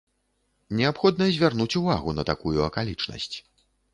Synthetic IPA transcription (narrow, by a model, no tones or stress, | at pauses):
nʲɛapxɔd̪nɐzʲvʲarnut͡sʲuvaɣunɐt̪akujuɐkalʲit͡ʂnɐ̰sʲt͡sʲ